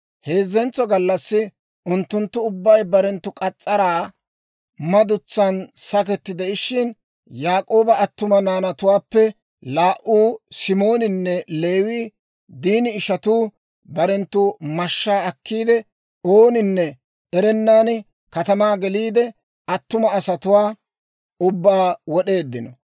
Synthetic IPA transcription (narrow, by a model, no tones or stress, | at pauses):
he̞ːzːɛnt͡sɔɡɐlːɐsːɪ | ʊnt̪ːʊnt̪ːʊʊbːɐjbɐɾɛnt̪ːʊkʼɐt͡sʼːɐɾaː | mɐd̪ʊt͡sːɐnsɐk̬ɛt̪ːɪd̪ɛɪʃɪn | jaːkʼo̞ːbɐɐt̪ːʊmɐnaːnɐt̪ʊwaːpːɛ | laːʔuːsɪmo̞ːnɪnːɛle̞ːwiː | d̪iːnɪːʃɐt̪uː | bɐɾɛnt̪ːʊmɐʃːaːɐkːiːd̪ɛ | oːnɪnːɛ | ɛɾɛnːaːn | kɐt̪ɐmaːɡɛliːd̪ɛ | ɐt̪ːʊmɐːsɐt̪ʊwaː | ʊbːaːwɔɗe̞ːd̪ːɪnɔ